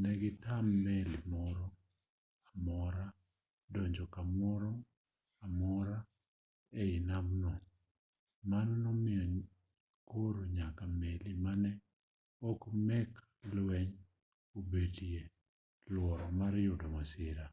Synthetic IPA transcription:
nɛɡɪtamːɛlimɔɾɔ | amɔɾa | dɔɲd͡ʒɔkamɔɾɔ | amɔɾa | ɛɪnamnɔ | manɔnɔmɪɔ | koɾoɲakamelimanɛ | okmɛk | lwɛɲ | obedie | lwɔɾɔmaɾjʊdɔmasɪɾa

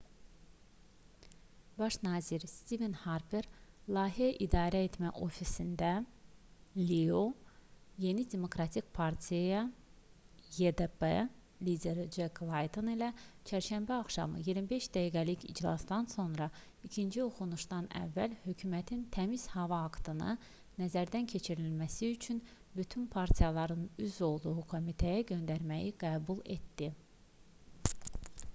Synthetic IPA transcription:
bɑʃnɑːziɾst̪ivenhɑɾbeɾlˠɑːɦiæʔid̪ɑːɾæet̪ʰmæʔo̞fisind̪æ | lio | je̞nid̪e̞mo̞kɾɑt̪ʰikpʰɑɾt̪ʰijajɑ | jed̪ebḛ | lid̪ʲe̞ɾid͡ʒeklˠɑjd̪onilæt͡ʃʰæɾʃæmbæɑχʃɑ̰mɯ̰jiɾmibe̞ʃd̪æjiɡæliçḭd͡ʒlˠɑ̰sd̪ɑnso̞nɾɑ | icʰind͡ʒioxunuʃd̪ɑnæ̰vːælhø̞cʰymæt̪ʰint̪ʰæmiz̥hɑvɑːkt̪ʰɯnɯ | næzæɾd̪æncʰe̞t͡ʃʰiɾilmæsiyt͡ʃʰynbyt̪ʰynpʰɑɾt̪ʲʰijɑlˠɑɾɯnyzo̞lˠd̪uɣukʰo̞mit̪ʰejæɟø̞nd̪æɾmæjiɡ̥æːbulˠe̞t̪d̪i

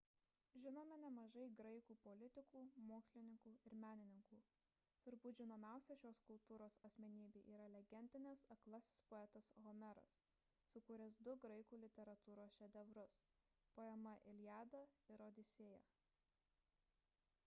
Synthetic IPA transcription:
ʒʲɪnoːmʲɛnʲɛmɐʒɐɪɡɾɐɪkuːpɔlʲɪt̪ʲɪkuːmoːksʲlʲɪnʲɪŋkuːɪɾmʲæːnʲɪnʲɪŋkuː | t̪ʊɾbuːʒʲɪnoːmʲæˑʊsʲɛʃʲoːskʊlˠt̪uːɾoːsɐsʲmʲɛnʲiːbʲeːʔiːɾɐlʲɛɡʲɛnʲd̪ʲɪnʲɛsɐklˠɐsʲɪspoɛt̪ɐsɣɔmʲɛɾɐ̰sː | ʊkuːɾʲɛs̬d̪ʊɡɾɐɪkuːlʲɪt̪ʲɛɾɐt̪uːɾoːsʃʲɛd̪ʲɛʋɾʊs | poːɛmɐʔɪlʲjæːd̪ɐɪɾoːd̪ʲɪsʲeːjɛ̰ː

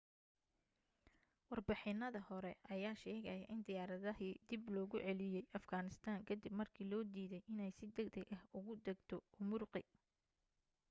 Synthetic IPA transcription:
wɑrbɪħɪnːɐðɐhɔɾɛʔɐjaːʃɛːɣɐjʔɪnd̪ɪjaːɾɐðɐɦiːd̪ɪblɔːɣʊʕɛlɪjɛjʔɐfɡaːnɪst̪ʰaːŋkʰɐd̪ibmɐrkʰiːlɔːd̪iːðɛjʔɪnɛjsɪd̪ɛɡd̪ɛɡɐhʊɣʊd̪ɐɡt̪ʰɔʊmʊrqɪ̰

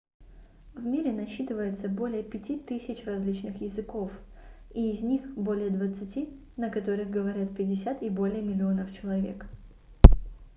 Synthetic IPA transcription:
vmʲiɾʲɪnɐɕːit̪ɨvəjɪt̪səbo̞lʲɪjəpʲɪtʲit̪ɨsʲɪt͡ɕrɐzʲlʲit͡ɕnɨxjɪzɨko̞fiːzʲnʲixbo̞lʲɪjəd̪vət̪sɨtʲi | nəkɐt̪o̞ɾɨxɡəvɐɾʲat̪̚pʲɪdʲɪsʲat̪ibo̞lʲɪjəmʲɪlʲɪonəft͡ɕɪlˠɐvʲe̞̰k

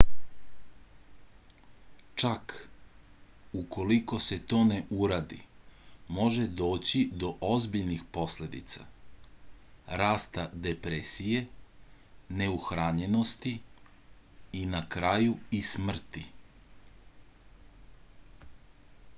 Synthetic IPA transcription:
t͡ʃak | uko̞liko̞se̞t̪o̞ːne̞ʔuɾaːd̪i | mo̞ʒe̞d̪o̞ːt͡ɕid̪o̞ʔozbiʎnixpo̞sle̞d̪ḭt̪sa̰ | ɾaːst̪ad̪epɾesije̞ | ne̞uxɾaɲe̞no̞st̪i | nakɾajuismr̩t̪i

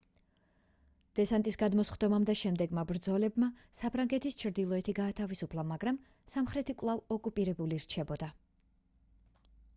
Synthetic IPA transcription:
d̪̥ɛsant̪ʼisɡad̪mɔsχd̪ɔmamd̪aʃɛmd̪ɛɡmabɾd̪zɔlɛbmasapʰɾaŋɡɛt̪ʰist͡ʃʰɾd̪ilˠɔɛt̪ʰiɡaːt̪ʰavisupʰlˠamaɡɾam | samχɾɛt̪ʰikʼlˠavɔkʼupʼiɾɛbuliɾt͡ʃʰɛbɔd̪a

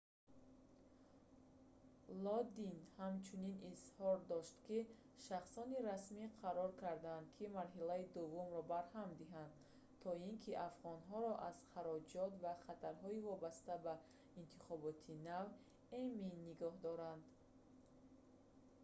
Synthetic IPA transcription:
lɔd̪inhamt͡ʃʰuninishɔɾd̪ɔʃt̪ki | ʃaχsɔniɾasmiqʰaɾɔɾkʰaɾd̪aːnd̪kʰimaɾɦilaid̪uvːumɾɔbaɾhamd̪iɦand̪ | t̪ʰɔiŋkʰiʔafʁɔnɦɔɾɔʔaz̥χaɾɔd͡ʒɔt̪vaχat̪ʰaɾɦɔivɔbast̪aba | int̪ʰiχɔbɔt̪ʰinav | eminːiɡɔhd̪ɔɾand̪

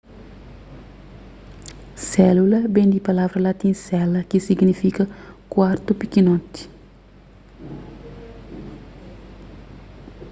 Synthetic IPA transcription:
sɛlulɐbẽnd̪ipɐlavɾɐlat̪ĩnsɛlɐkisiɡnifikɐkwaɾt̪upikinõt̪i̥

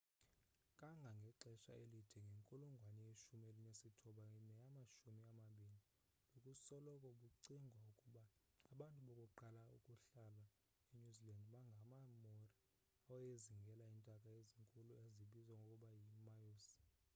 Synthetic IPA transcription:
kʼaŋɡʱaŋɡʱɛǁɛʃa̰elitʰɛŋɡʱeŋkʼuluŋɡʱwanɛeʃumelinesitʰuɓanɛjamaʃumiamaɓiːli | lokʼusɔlɔkʼɔɓuǀiŋɡʱwaukʼuɓaː | ɓantʼuɓɔkʼuǃalaṵkʼuɬala | eɲuzilandɓaŋɡʱamamori | aɔjeziŋɡʱɛlaintʼakʼaeziŋkʼulueziɓizwaŋɡʱokʼuɓajimajos

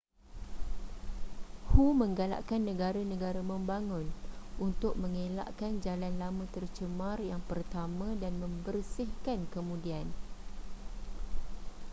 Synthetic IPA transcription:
humə̃ŋɡala̰ʔkanːə̃ɡaɾanə̃ɡaɾamə̃mbaŋʊ̃nʔunt̪ʊk̚mə̃ŋela̰ʔkand͡ʒalanlamə̃t̪ərt͡ʃəmarjaŋpərt̪amãdanmə̃mbərsɪhkankəmũdian

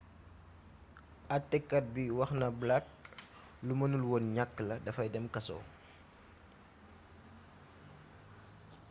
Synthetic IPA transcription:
ɐtːɛkːɐt̚biwɐxnɐblat̚ | lumɐnulwɔnɲakːəlɐdɐfɐjdɛmkɐsɔ̰ː

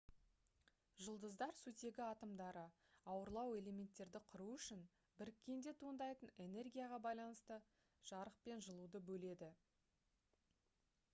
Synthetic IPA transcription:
ʒəlˠd̪əzd̪ɑɾsut̪e̞ɡʲɪɑt̪əmd̪ɑɾə | ɑwəɾlˠɑwe̞le̞mʲe̞nt̪ːe̞ɾd̪ɪqʰʊɾuʏʃɪn | bɪɾɪkʲːe̞nd̪e̞t̪ʰuənd̪ɑjt̪əne̞ne̞rɡʲijaʁɑbɑjlˠɑnəst̪ə | ʒ̥ɑɾəq̚pe̞nʒəlˠud̪əbɵle̞d̪ɪ

